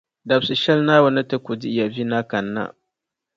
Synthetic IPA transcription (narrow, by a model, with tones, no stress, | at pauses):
da˨bsi˨ʃɛ˦lna˦wa˨na˦te˦kʷu˨di˦ja˨vi˦na˦ka˨nːa̰˦